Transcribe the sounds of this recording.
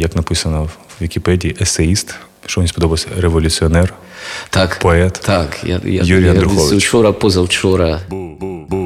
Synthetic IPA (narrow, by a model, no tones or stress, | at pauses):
jɐknɐpɪsɐnɔwʋʲikʲipɛdʲiːʔɛseist̪ | ʃt͡ʃɔʋʲnʲispɔd̪ɔbɐwsʲɐɾeʋɔlʲʊt͡sʲiɔnɛr | t̪akpɔɛt̪t̪akja̰ja̰juɾʲijɐd̪ɾʊxɔʋɪwt͡ʃɔɾɐpɔzɐwt͡ʃɔɾɐ